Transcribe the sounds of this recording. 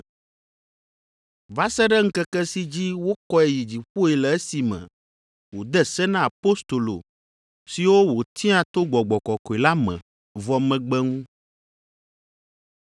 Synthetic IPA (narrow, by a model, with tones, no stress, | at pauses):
va˦sɛ˦ɖɛ˦ŋ̩˦kɛ˦kɛ˦si˦d͡ʑi˦wo˦kɔ˦ɛ˨ji˨d͡ʑi˨ɸo˦ɛ˨lɛ˨e˦si˨mɛ̰̃˨ | wo˨d̪ɛ˦sɛ˦nã˦a˨po˦st̪o˨lo̰˨ | si˨wo˦wo˨t̪ʰi˦ã˦t̪o˦ɡ͡bɔ˨ɡ͡bɔ˨kɔ˨kɔ˨ɛ˨la˦mɛ̰̃˨ | vɔ˨mɛ̃˨ɡ͡bɛ˦ŋũ˦